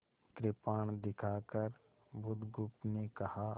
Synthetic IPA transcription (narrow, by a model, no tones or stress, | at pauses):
kɾɪpaːɳ̃d̪ɪkʰaːkəɾ | bʱʊd̪ɡʊpnekɐha